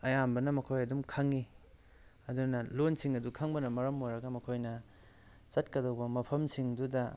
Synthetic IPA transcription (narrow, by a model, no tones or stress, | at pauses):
ɐjambɐnɐmɐkʰojɐdumkʰaŋi | ɐdunɐlonsiŋɐdukʰaŋbɐnɐmɐɾɐmojɾɐɡɐmɐkʰojnɐ | sɐt̚kɐdɐwbɐmɐpʰɐmsiŋdudɐ